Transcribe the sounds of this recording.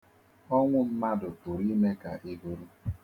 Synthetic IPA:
ɔ˦ŋʷʊ˦m̩˦ma˦dʊ˨pu˨ɾi˦me˦ka̰˨ʔi˦ɡu˦ɾu˦

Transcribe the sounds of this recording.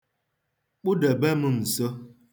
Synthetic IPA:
ɓu˦də˨bɛ˦mə˦˨n̩˨sə˦

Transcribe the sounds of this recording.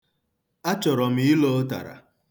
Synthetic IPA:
a˦t͡ʃɔ˨ɾɔ˨m̩˨˦i˦lo˦ta̰˨ɾa̰˨

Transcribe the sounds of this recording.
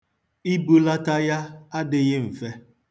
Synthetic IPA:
i˦bu˦la˦ta˦ja˦a˦dɪ˦ɣɪ˦m̩˨fe˦

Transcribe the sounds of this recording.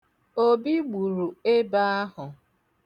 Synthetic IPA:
o˦bi˦ɡ͡bu˨ɾu˨e˦ba˦a˦ɦʊ˨

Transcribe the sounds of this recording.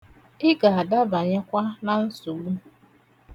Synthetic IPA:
ɪ˦ɡa˨a˨da˦ba˨ɲa˦kʷa˦na˨n̩˦su˨ɡ͡bu˦

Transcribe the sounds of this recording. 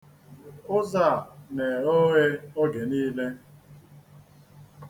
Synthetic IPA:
ʊ˦za˦˨ne˨o˦ɣe˦o˦ɡe˨niː˦le˦

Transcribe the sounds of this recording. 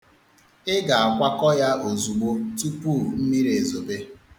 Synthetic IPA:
ɪ˦ɡa˨a˨kʷa˦kɔ˦ja˦ʔo˨zu˨ɡ͡bo˦tu˦pu˦˨m̩˦mi˦ɾe˨zo˨be˦

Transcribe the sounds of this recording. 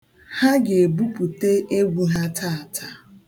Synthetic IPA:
ha˦ɡe˨e˨bu˦pu˨te˦ʔe˦ɡʷu˦ɦa˦tʰa˦a˨tʰa˨

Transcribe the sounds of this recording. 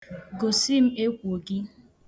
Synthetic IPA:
ɡo˨si˦m̩˦e˦kʷu˨o˨ɡi˦

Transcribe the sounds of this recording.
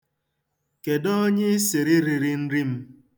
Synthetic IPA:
ke˨dɔ˦o˦ɲɪ˦si˨ɾi˦ɾi˨ɾi˦n̩˦ɾi˦m̩˦

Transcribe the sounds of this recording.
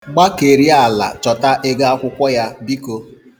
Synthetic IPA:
ɡ͡ba˦ke˨ɾi˦a˦˨la̰˨t͡ʃɔ˨ta˦ʔe˦ɡa˦a˦kʷʊ˦kʷɔ˦ja˦bi˦ko˦

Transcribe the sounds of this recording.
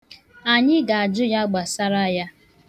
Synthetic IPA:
a˨ɲɪ˦ɡa˨a˨d͡ʒʊ˦ja˦ɡ͡ba˨sa˦ɾa˦ja˦

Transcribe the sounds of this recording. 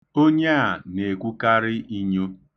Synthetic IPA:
o˦ɲe˦a˨ne˨kʷu˦ka˦ɾɪ˦i˦ɲo˦

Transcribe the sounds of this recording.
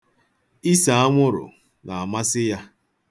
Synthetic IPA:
i˦sa˨a˦ŋʷʊ˦ɾʊ̰˨ | na˨a˨ma˦sɪ˦ja˦

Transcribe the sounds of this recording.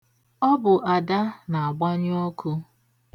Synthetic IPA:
ɔ˦bʊ˨ʔa˨da˦na˨a˨ɡ͡ba˦ɲ˦ɔ˦kʰʊ˦

